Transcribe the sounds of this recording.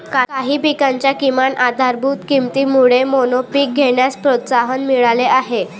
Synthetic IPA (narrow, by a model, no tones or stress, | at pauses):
kkaɦiːpikaɲt͡ɕjakimanʔad̪ʱaɾbʱuːt̪kimt̪iːmuɭemonopik̚ɡʱeɳjaspɾot̪saɦənmiɭaleʔaɦe